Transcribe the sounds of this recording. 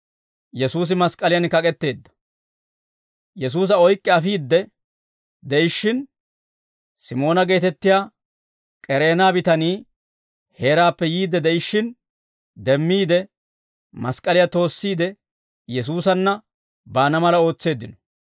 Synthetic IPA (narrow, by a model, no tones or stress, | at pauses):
jɛsuːs̬ɪmɐskʼɐlɪjɐnkɐkʼɛt̪ːe̞ːd̪ːɐ̥ | jɛs̬uːs̬ɐɔjkʼːɛɐfiːd̪ːɛ | d̪ɛjɪʃːɪn | sɪmo̞ːnɐɡe̞ːt̪ɛt̪ːɪjaː | kʼɛɾe̞ːnaːbɪt̪ɐniː | he̞ːɾaːpːɛjiːd̪ːɛd̪ɛjɪʃːɪn | d̪ɛmːiːd̪ɛ | mɐskʼːɐlɪjat̪o̞ːsːiːd̪ɛ | jɛs̬uːsɐnːɐ | baːnɐmɐlɐo̞ːt͡sːe̞ːd̪ːɪnɔ̥